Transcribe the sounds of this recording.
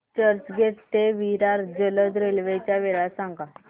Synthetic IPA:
t͡ɕəɾt͡ɕɡʱet̪t̪eʋiɾaɾd͡ʑələd̪ɾelʋet͡ɕjaʋeɭasãŋɡa

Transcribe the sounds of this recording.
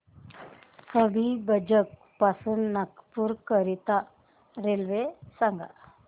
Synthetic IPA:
kəbʱibəd͡ʒək̚ | pasunnakpuɾkəɾit̪a | ɾelʋesaŋɡa̰

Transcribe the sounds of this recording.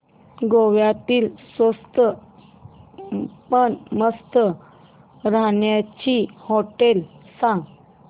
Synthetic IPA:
ɡoʋjat̪iːlsʋəst̪ə | pəɳməst̪ə | ɾaɳjat͡ɕihoʈelsã

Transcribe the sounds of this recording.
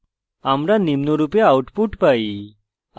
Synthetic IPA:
amɾanimnoɾupjaːwʈpuʈpai

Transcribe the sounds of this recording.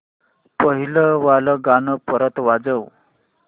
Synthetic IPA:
pəɦiləʋaləɡanəpəɾət̪ʋad͡zəʋ

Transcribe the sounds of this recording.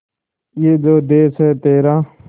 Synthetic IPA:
jeːd͡ʒoːd̪eːsɦɛːt̪eːɾaː

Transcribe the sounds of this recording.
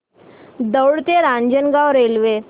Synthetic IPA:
d̪əwɽt̪eɾãɲd͡ʑənɡawɾelʋe

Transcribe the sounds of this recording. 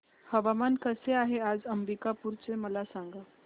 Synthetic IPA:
həʋamankəseaɦead͡zəmɾikapuɾt͡seməlasaŋɡa

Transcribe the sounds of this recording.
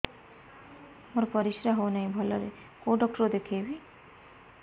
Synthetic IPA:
moɾɔpɔɾisɾaɦownaĩbʱɔlɔɾe | koɖɔk̚ʈɔɾod̪ekʰejbi

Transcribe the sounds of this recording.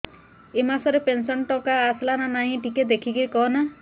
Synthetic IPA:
emasɔɾepensɔnʈɔkaːslananaɦĩʈiked̪ekʰiɡiɾikɔɔna

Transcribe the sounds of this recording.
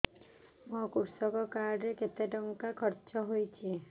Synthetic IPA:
mokuɾsɔkɔkaɾɖɾeket̪eʈɔŋkakʰɔɾt͡ʃɔɦojt͡ʃʰi

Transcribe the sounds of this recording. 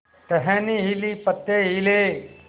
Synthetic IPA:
t̪ɐɦɛ̃niɦilipət̪ːeːɦile

